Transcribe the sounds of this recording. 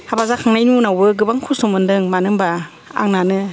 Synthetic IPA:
habazakʰaŋnajnunawbɯɡɯbaŋkʰusumɯndɯŋmanɯmba | a̰ŋnanɯ

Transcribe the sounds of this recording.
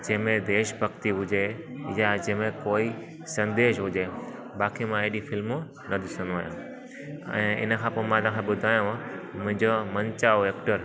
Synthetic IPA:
d͡ʑɐ̃ɦmẽd̪eːʃbʱɐɡt̪iɦʊd͡ʑejad͡ʑɐ̃ɦmẽkoːi | sɐ̃nd̪eːʃɦʊd͡ʑe | baːkimãeɦɗifɪlmu | nɐd̪ɪsə̃nd̪oaːjã̰ | ɛ̰̃ːɪ̰nə̆kʰãːpoːmãt̪ãːkʰẽɓʊd̪ʱaːjũmʊ̃ɦɪ̃ɲd͡ʑomɐ̃ɲt͡ɕaːoeːk̚ʈəɾ

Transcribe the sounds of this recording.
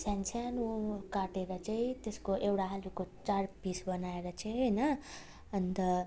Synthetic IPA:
sansʰanukaʈeɾʌt͡saĩt̪eskoʔewɽaɦalukot͡sarpisbʌnaeɾʌt͡sʌ̃ɦʌjnʌː | nt̪ʌ

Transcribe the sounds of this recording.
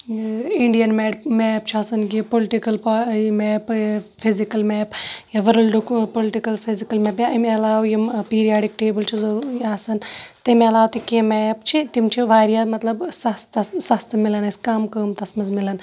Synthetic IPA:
iɳɖijɐnmeːɖmɛːp̚t͡ʃʰiɐsɐnkipolɪʈikɐlpːmɛːppʰizikɐlmɛːpjaʋɐɾɐlɖukpolɪʈikɐlpʰizikɐlmɛːpjaɐmɐlaːwjimpiːɾijaːɖikʈeːbɐlt͡ʃʰizɐɾuːɾiaːsɐnt̪ɐmɐlaːwt̪ikẽːmɛːpt͡ʃʰit̪imt͡ʃʰiʋaːɾijaːmɐt̪lɐbsɐst̪ɐsɐst̪milɐnɐskaːmkəːmt̪ɐsmɐzmilɐn

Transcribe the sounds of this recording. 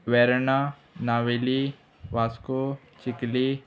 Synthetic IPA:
ʋɛːɾna | naːʋeli | ʋaːsko | t͡ʃɪkli

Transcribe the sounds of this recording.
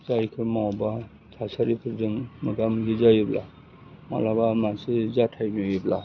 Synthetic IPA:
zajkʰɯɾmawba | tʰasaɾipʰɯɾdɯŋmɯɡamzɯzajɯbla̰ | ma̰labamansɯzatʰajmiojibla

